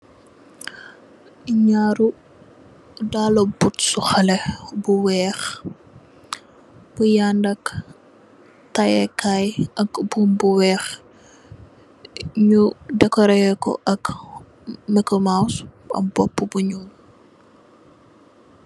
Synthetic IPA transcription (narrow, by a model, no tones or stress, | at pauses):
iɲaːɾu | daːlɔbutsuxɐlɛbuwɛːx | b̥ujandɐk | tɐjɛkajɐkbumbuwɛːx | ɲudɛkɔɾɛjɛkɔ̰ʔɐk | mikɔmawsɐ̰bɔpːubuɲul